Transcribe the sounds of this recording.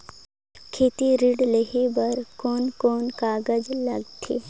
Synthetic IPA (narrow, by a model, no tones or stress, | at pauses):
kʰeːt̪iɾiɖləɦebɐɾkoːnkoːnkaːɡəd͡ʒlɐɡt̪ʰeː